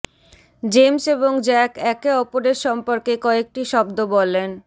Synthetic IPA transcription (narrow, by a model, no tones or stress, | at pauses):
d͡ʑemseβoŋd͡ʑɛkɛkeɔpoɾeɾʃɔmpoɾkekɔek̚ʈiʃɔbd̪obɔlen